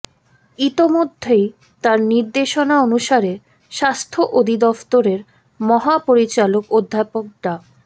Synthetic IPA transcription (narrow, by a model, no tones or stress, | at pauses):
it̪omod̪ʱːej | t̪aɾniɾd̪eʃonaonuʃaɾe | ʃast̪ʰoʔod̪ʱid̪ɔft̪oɾeɾ | mɔɦapoɾit͡ɕalokod̪ʱːapok̚ʈa